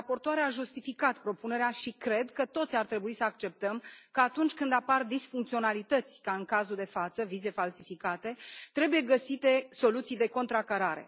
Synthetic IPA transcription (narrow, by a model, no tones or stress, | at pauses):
apo̞rt̪oaɾeaʒust̪ifikat̪pɾo̞pune̞ɾeaʃikɾe̞d̪kət̪o̞t̪sʲart̪ɾe̞buisəak̚t͡ʃe̞p̚t̪əmkəat̪unt͡ʃʲkɨnd̪apard̪isfuŋk̚t̪sio̞nalit̪ət̪sʲkaɨnŋkazuld̪e̞fat̪səvize̞falsifikat̪e̞t̪ɾe̞buje̞ɡəsit̪e̞so̞lut̪sijd̪e̞ko̞nt̪ɾakaɾaɾe̞̰